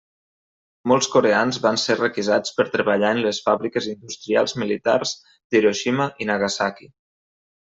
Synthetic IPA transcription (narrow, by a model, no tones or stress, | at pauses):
mɔlˠskoɾeanzβanserəkizat͡spəɾt̪ɾəβəʎaənləsfaβɾikəzind̪ust̪ɾia̰lˠzmilit̪a̰rz̥ | d̪̥eɾoʃiməʔinaɣasaki